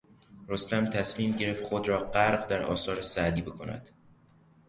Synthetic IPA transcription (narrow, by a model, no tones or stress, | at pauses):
ɾost̪æmt̪ʰæsmiːmɟe̞ɾe̞ft̪xod̪ɾɒːɢæɾɢd̪æɾɒ̰ːsɒːɾesæʔd̪iːbe̞kʰo̞næ̰d̪̥